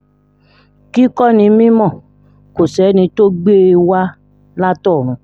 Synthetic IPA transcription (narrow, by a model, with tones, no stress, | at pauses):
ki˦kɔ˦˨nĩ˧mĩ˦mɔ̃˦˨ | ko˨sɛ˨˦nĩ˧to˦ɡ͡be˦˧wa˦ | la˦tɔ˦˨ɾ̃ũ˨˧